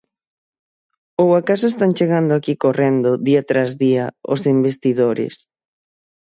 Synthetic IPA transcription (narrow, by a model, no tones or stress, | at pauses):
owakasoest̪ant͡ʃeɣand̪ʊakikorend̪ʊðiɐt̪ɾazðiɐo̰simbest̪iðoɾɪ̰s